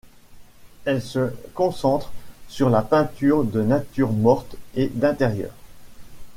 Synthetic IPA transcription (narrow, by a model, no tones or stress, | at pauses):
ɛlsəkɔ̃sɑ̃t̪χsyʁlapɛ̃t̪yʁd̪ənat̪yʁmɔʁt̪ed̪ɛ̃t̪eʁjœ̰ːʁ